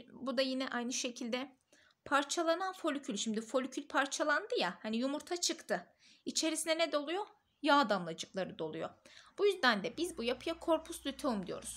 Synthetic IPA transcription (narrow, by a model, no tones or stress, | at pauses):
bud̪ajinɛʔajnɯʃe̞cʰilʲd̪ɛ | pʰaɾt͡ʃʰalˠananfo̞lʲycʰylʲʃimd̪ifo̞lʲycʰylʲpʰaɾt͡ʃʰalˠand̪ɯjahanijumuɾt̪ʰat͡ʃʰɯkt̪ʰɯ | it͡ʃʰe̞ɾisinɛnɛd̪o̞lˠujo̞ | jaːd̪amlˠad͡ʒɯklˠaɾɯd̪o̞lˠujo̞̰b̥ujyzd̪ænd̪ɛbizbujapʰɯjakʰo̞ɾpʰuslʲyt̪ʰoumd̪ijo̰ɾuz̥